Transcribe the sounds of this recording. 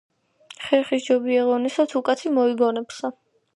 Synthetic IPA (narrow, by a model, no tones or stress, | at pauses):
χɛχisd͡ʒɔbiɛʁɔnisat̪ʰukʼat̪ʰimɔibɔnɛpsa